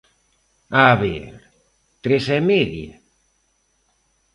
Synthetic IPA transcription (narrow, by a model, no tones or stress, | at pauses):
aβeɾ | t̪ɾesɛmeðja̰